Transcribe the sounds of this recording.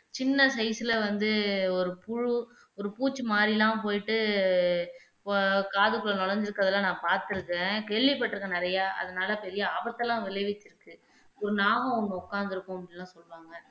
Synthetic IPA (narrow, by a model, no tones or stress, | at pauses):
t͡ʃɪnːɐsɐɪsɪlɐʋɐnd̪ɯɔɾɯpʊɻʊ | ɔɾɯpuːt͡ʃːɯmaːɾilãːpoːjɪʈːɯ | kaːðɯkːɯɭɐnɔɭɐɲd͡ʒɪɾɯkːɐðɐlːãːnãːpaːɾt̪ɯɾɯkːẽːkɛɭʋipːɐʈːɪɾɯkːɐ̃nɪɾɐjaːʔɐ̰ðɐnaːlɐpɛɾɪjɐaːbɐt̪ːɐlãːʋɪlɐɪʋɪt͡ʃːɪɾɯkːɯ | ɔɾɯnaːɣɐ̃ʊŋɡɐʊkːaːnd̪ɪɾɯkːʊ̃ɐpɽɪnlːãːsɔlːʋaːŋɡɐ